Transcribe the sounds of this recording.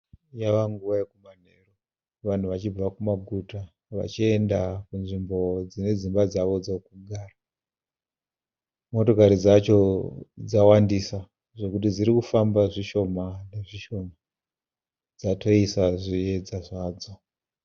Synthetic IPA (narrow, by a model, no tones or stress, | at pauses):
jaʋaŋɡuʋajekuman̤ero | ʋan̤uʋat͡ʃib͡vakumaɡʱuta | ʋa̰t͡ʃie̞ndakunʐimbo̞d͡zine̞d͡zimbad͡zaʋo̞d͡zokuɡʱaːra | mo̞to̞kaɾid͡zat͡ʃo̞d͡zawandisa | ʐe̞kutid͡ziɾikufambaʐiʃo̞maneʐiʃo̞ma | d͡zatʰo̞isaʐie̞d͡zaʐaːd͡zo̞